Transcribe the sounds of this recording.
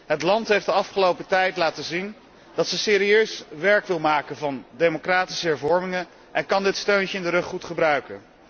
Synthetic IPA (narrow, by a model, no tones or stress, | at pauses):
ɦətlɑntɦejfdəɑfχəlowpətɛjtlaːtəzin | d̥ɑtsəsɪːɾiøɥsʋɛɹkʋɪlˠmaːkəvɑndejmokraːti̥səɦɛɹvɔɹmɪŋə | ʔɛnkɑndɪtstøɥncəɪndəɾɵχːutχəbrœɥkə̰